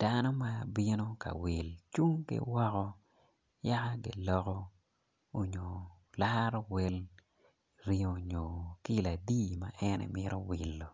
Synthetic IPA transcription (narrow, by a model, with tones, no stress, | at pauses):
d̥a˦no˦ma˦bi˦no˦ka̰˨wɪ˨lt͡ʃu˦ŋkɪ̰˦wɔ˦kɔ˦ | ja˦ka˦ɡɪ̰˨lɔ˦kɔ˦ | o˨ɲo˨ | la˦ɾo˦we˦l | ɾi˦o˨ɲo˨ki˦˨la˨di˦ma˦ʔɛ˦nɛ̰˨mɪ˦ɾo˦wɪ˨lːo˨